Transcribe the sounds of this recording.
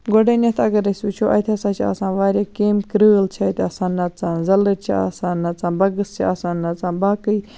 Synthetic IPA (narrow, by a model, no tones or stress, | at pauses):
ɡoɖeːnʲɐt̪ʰɐɡɐɾɐsʲuːt͡ʃʰoːʔɐt̪ʰɐsãːt͡ʃʰia̰ːsãːʋaːɾʲaːkeːmkɾəːlt͡ʃʰɐt̪ɐsãːnːɐt͡sãːnzɐlɨɾt͡ʃʰḭa̰ːsãːnːɐt͡sãːnbɐɡɨst͡ʃʰiaːsãːnːɐt͡saːnbaːkɨj